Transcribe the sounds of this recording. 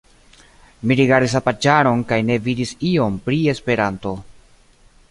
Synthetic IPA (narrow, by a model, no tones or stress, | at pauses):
miɾiɡaɾdis̬apad͡ʒaɾo̞nkajne̞vidisio̞mpɾie̞spe̞ɾanto̞